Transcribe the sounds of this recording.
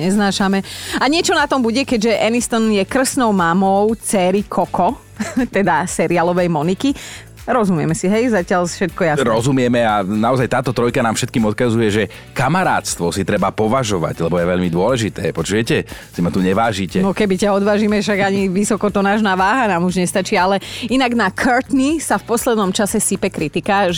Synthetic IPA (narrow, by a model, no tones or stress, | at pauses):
ɲɛznaːʃamɛaɲɪɛt͡ʃɔnat̪ɔmbuɟɛkɛɟʒɛʔɛnist̪ɔnjɛkr̩snɔʊmamɔʊt͡sɛɾikʰɔkɔ | t̪ɛd̪asɛɾialɔʋɛjmɔniki | ɾɔzumɪɛmɛsiɦɛjzacɪaʎfʃɛt̪̚kɔjaɾɔzumɪɛmɛanaɔzajt̪aːt̪ɔt̪ɾɔjkanaːmfʃɛt̪̚kiːmɔt̪̚kazujɛʒɛ | kamaɾa̰ːt̪st̪ʋɔsit̪ɾɛbapɔʋaʒɔʋa̰ɟlɛbɔjɛʋɛʎmid̪ʊɔlɛʒit̪ɛːpɔt͡ʃujɛcɛsimat̪uɲɛʋaːʒicɛnɔkɛbicaɔd̪ʋaːʒiːmɛfʃaɡaɲiʋisɔkɔt̪ɔnaːʒnaːʋaːɦanaːmuʒɲɛst̪at͡ʃiːalɛinaɡnakʰøɾt̪nisafpɔslɛd̪nɔmt͡ʃasɛsipɛkɾit̪ikaʒ